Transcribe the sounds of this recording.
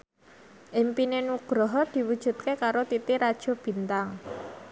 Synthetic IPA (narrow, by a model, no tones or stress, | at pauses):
ʔɪmpinenuɡ̥ɾɔɦɔd̪̥i̤wud̥ʒ̥ṳt̪̚kekaɾot̪it̪iɾad̥ʒ̥o̤b̥i̤nt̪aŋ